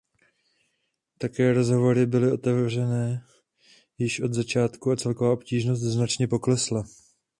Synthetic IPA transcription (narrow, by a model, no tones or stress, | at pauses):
t̪akɛːɾo̞zɦo̞vo̞ɾɪbɪlɪʔo̞t̪ɛvr̝ɛnɛː | jɪʃʔo̞d̪zat͡ʃaːt̪kuat͡sɛlko̞vaːʔo̞pciːʒno̞s̬t̪znat͡ʃɲɛpo̞klɛsla